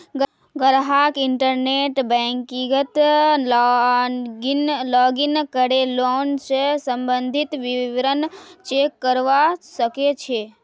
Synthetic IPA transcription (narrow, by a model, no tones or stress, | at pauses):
ɡ | ɡəɾɦakɪɳʈəɾneʈbɛ̃ŋkiɡət̪ | ɡnlɔːɡinkəɾeloːnsesə̃mbə̃nd̪ʱɪt̪ʋiʋɾənt͡ʃekːəɾʋasəket͡ʃʰe